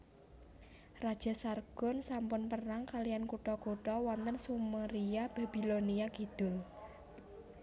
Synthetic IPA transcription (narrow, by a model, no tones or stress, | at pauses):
rad̥ʒ̥a̤sarɡ̥ɔ̤nsampʊnpəraŋkalijankuʈɔɡoʈɔwɔnt̪ənsumaɾiab̥a̤b̥i̤loniaɡ̥id̪̥ʊ̤l